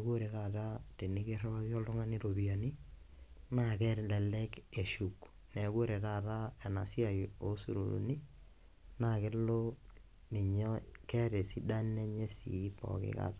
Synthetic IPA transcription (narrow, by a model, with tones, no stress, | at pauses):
ɡo˦ɾe˨ɾa˦˨ta˦te˨ni˦ke˦rɔ˦a˦sjɔ˦lʊ˦ŋa˦ni˦ɾo˨bi˨a˨ni˦ | na˦˨kɛ˦ɾlɛ˨lɛ˦ke˨ʃu˨k | nɛ˨ɡo˦ɾe˨ta˦˨ta˦ɛ˨na˨si˦a˨jo˨˦sṵ˨ɾṵ˨lṵ˨ni˦ | na˦˨kɪ˦lo˦ | ni˨ɲɔ˦kɛ˦ɾe˨si˦da˦nɛ˦ɲe˦sḭ˨˦pɔ̰˨kɪ̰˦ka̰˦ta˦